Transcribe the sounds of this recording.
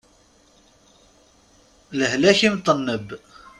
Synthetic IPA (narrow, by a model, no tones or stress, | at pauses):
ləhlæçimt̪ˤːənːəb